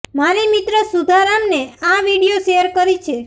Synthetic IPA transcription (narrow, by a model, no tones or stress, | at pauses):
manimit̪ɾəsud̪ʱaɾamneaʋiɽijoʃejəɾkəɾit͡ʃʰe